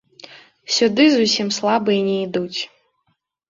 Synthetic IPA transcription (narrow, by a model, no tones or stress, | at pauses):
sʲud̪ɨzusʲimslˠabɨinʲejd̪utʲʰ